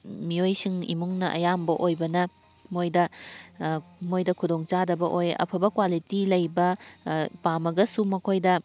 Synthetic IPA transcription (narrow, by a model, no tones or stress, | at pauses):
miojsiŋḭmuŋnɐʔɐ̰jambɐʔojbɐnɐ | mojdɐ | mojdɐkʰudoŋt͡ʃadɐbɐʔojɐ̰pʰɐbɐkwalitilɐjbɐ | pamɐɡɐsumɐkʰojdɐ